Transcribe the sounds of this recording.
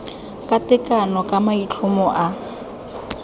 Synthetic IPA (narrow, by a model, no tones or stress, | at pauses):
kʼatɪkʼanɔkʼamait͡ɬʰʊmɔʔa